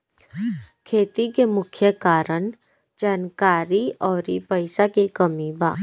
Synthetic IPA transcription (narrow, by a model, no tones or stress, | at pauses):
kʰeːt̪ikemʊkʰjəkaːɾəɳ | d͡ʒaːnkaːɾiɔːɾipəɪsakikəmiba̰ː